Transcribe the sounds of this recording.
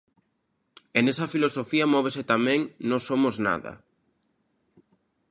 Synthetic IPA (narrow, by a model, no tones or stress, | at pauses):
enesɐfilosofiɐmɔβ̞eset̪amɛ̃ŋnõsomozna̰ðɐ̰